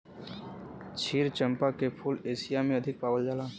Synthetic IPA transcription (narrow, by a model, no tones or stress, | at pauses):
t͡ʃʰiːɾt͡ʃə̃mpakepʰuːleːsijamẽɐd̪ʱɪk̚paːʋəld͡ʒaːlaː